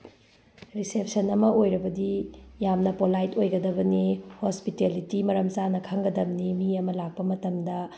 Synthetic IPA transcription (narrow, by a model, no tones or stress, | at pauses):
ɾisep̚sɐnɐmɐʔojɾɐbɐdijamnɐpolajtojɡɐdɐbɐnihospitelitimɐɾɐmt͡ʃanɐkʰɐŋɡɐdɐbnimiɐmɐlak̚pɐmɐtɐmdɐ